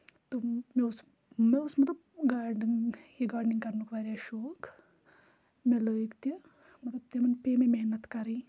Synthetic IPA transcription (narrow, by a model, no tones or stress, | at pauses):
t̪omeus | meusmɐt̪lɐb̚ɡaːɾniŋkiɡaːɖniŋɡkɐɾnukʋaːɾaʃoːk | meləːjkt̪ɐ | mɐt̪lɐb̚t̪emɐnpememeɦnɐt̪kɐɾi